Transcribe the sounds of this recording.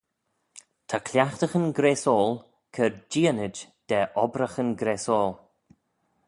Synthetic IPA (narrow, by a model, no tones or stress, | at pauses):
t̪ʰakʰlʲjaxt̪əxənɡɾeːsɔːlˠ | kʰəɹd͡ʒiːənɪd͡ʒd̪̥ɛːʔɔbɾəxənɡɾeːsɔːl